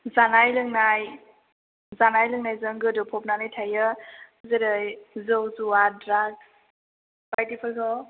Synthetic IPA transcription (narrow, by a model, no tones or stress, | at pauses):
zanajlɯŋnaj | zanajlɯŋnajzɯŋɡɯdɯpʰɔp̚nanɯjtʰajɯzɯɾɯjzɔwzuadɾaɡ | bajtipʰɯlkʰɔ